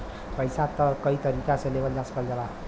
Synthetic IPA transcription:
pʌjsat̪ʌkʌit̪ʌɾikasʌlebʌldaspʌld͡ʒʌla

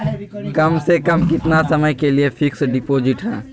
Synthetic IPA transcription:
kɐmsekɐmkɪt̪nasɐməjkeliepʰɪksɖɪpoːd͡ʒɪʈɦɛ̰̃ː

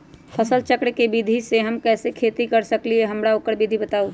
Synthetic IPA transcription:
pʰəsəlt͡ʃəkɽkebid̪ʱiseɦəmkɛːsekʰet̪ikəɾsəklieɦəmɾaokəɾbid̪ʱibət̪aːu

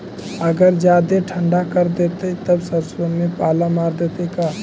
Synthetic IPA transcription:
əɡəɾd͡ʒad̪eʈʰəɳɖakəɾd̪et̪ət̪əbsəɾsonmepalamaɾd̪et̪əka

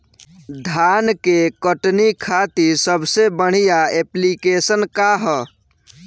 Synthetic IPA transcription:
d̪ʱankekəʈnikʰat̪isəbʱsebəɽ̤ijaeplikesənkaɦə

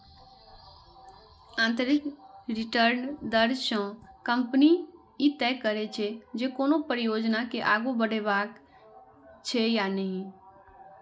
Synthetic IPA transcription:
ãnt̪ɾɪkɾɪʈəɾnd̪əɾʃɔ̃kəmpni | it̪ɛkəɾet͡ʃʰed͡ʒekoːnopəɾjoːd͡ʒnakeʔaɡobəɽeʋak | t͡ʃʰejanəɦĩ

